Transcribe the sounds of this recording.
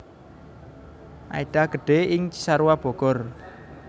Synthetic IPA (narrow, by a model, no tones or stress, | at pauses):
ʔa̰iɖ̥a̤ɡ̥ə̤ɖ̥e̤ɪŋt͡ʃi̥saɾuwab̥ɔ̤ɡ̥ɔr